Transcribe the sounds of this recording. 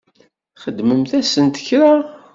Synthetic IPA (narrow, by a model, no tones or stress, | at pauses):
χəd̪ːməmθæsənt̪ə̥çɾa